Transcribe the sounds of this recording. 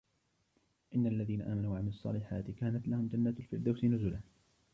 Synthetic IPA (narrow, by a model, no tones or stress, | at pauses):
ʔɪnːalːaðiːnaʔaːmanuːʕamɪɑsˤːɑ̰ːlɪħaːt̪ɪkaːnat̪lahʊmd͡ʒanːaːt̪lfɪɾd̪awsɪnʊzʊlah